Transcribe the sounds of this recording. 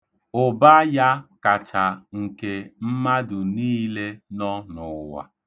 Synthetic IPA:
ʊ˨ba˦ja˦ka˨t͡ʃa˨ŋ̩˨ke˨m̩˦ma˦dʊ˨niː˦le˦nɔ˦nʊ˨wa̰˨

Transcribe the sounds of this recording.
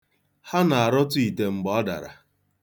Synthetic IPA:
ha˦na˨a˨ɾɔ˦t̬ʊ˦i˨te˨ŋ͡m̩˨ɡ͡bɔ˦da̰˨ɾa̰˨

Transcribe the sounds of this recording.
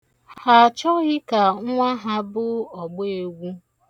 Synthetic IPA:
ha˨t͡ʃɔ˦ɣɪ˦ka˨ŋ̩ʷ˦a˦ɦa˦bʊ˦ɔ˨ɡ͡be˦˨e˨ɡʷu˦

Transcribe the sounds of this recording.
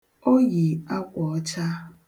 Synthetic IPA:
o˦ɣi˨a˦kʷɔ˨ɔ˦t͡ʃa˦

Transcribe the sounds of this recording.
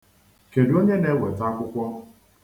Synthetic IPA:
ke˨do˦ɲe˦ne˨˦wʷe˨ta˦kʷʊ˦kʷɔ˦

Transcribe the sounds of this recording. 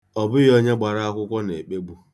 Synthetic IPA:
ɔ˨bʊ˦jɔ˦ɲe˦ɡ͡ba˨ɾa˦a˦kʷʊ˦kʷɔ˦ne˨k͡pe˦ɡ͡bu˦

